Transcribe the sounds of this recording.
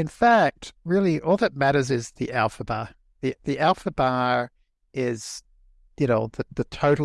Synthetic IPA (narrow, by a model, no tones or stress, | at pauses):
ɨ̃nfæk̚t̚ɹɪlˠiʔɔlˠðɨt̚mæɾə˞zɪzðiʔælˠfəbɑ | ðiðiʔælˠfəbɑɹ | ɪz̥ | jɨnoʊðɨðɨtʰoʊɾ̩